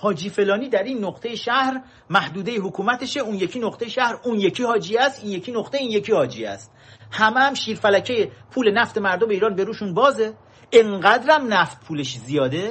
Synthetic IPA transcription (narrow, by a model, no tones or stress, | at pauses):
hɒːd͡ʒiːfe̞lɒːniːd̪æɾiːnːoqt̪ʰe̞jeʃæhɾ | mæhd̪uːd̪ejeɦokʰuːmæt̪ʰeʃeuːnjecʰinoqt̪ejeʃæhɾunjecʰiːhɒːd͡ʒiæst̪iːnje̞cʰiːnoχt̪eiːnje̞cʰiːhɒːd͡ʒḭæ̰st̪̚ | hæmeæmʃiːɾfælæcʰejepʰuːle̞næft̪e̞mæɾd̪omeiːɾɒːnbe̞ɾuːʃunbɒːze | eŋɢæd̪ɾæmnæft̪̚pʰuːleʃzijɒːd̪e̞